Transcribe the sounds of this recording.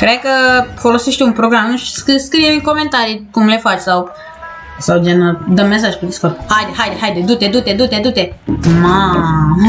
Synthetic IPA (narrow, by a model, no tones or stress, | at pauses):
kɾekəfolosiʃt̪ʲunpɾoɡɾamnũʃskiskɾiemikoment̪aɾikumlefat͡ʃsaw | sawd͡ʒenəd̪əmːes̬aʒʲkud̪iskoɾhajd̪eɦaj̪eɦajd̪ed̪ut̪ed̪ut̪ed̪ut̪ed̪ut̪ema